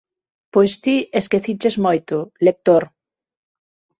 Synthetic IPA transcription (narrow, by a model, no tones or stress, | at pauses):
pojst̪ieskeθit͡ʃezmojt̪ʊlek̚t̪oɾ